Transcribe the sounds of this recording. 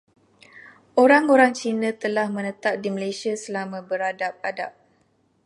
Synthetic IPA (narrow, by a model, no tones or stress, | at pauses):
ʔoɾaŋoɾaŋt͡ʃinə̃t̪əlahmə̃nə̃t̪ap̚diməlajsiasəlamãbəɾadap̚adap̚